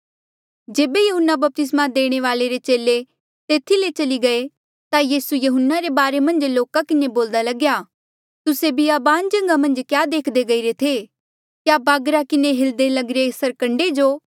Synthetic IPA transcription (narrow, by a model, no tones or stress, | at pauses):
d͡ʒeːbejɐɦʊnːabɐp̚t̪ɪs̬mad̪eːɽ̃eʋaːleɾet͡ʃeːle | t̪eːt̪ʰilet͡ʃɐliɡɐe | t̪ajiːsujɐɦʊnːaɾebaːɾemɐ̃nd͡ʒloːkakɪneboːld̪alɐɡjaː | t̪ʊsebʱiabaːnd͡ʒɐ̃ŋɡamɐ̃nd͡ʒkjaːd̪eːkʰd̪eɡɐiɾet̪ʰe | kjabaːɡɾakɪneɦɪld̪elɐɡɾesɐɾkɐ̃ɳɖed͡ʒoː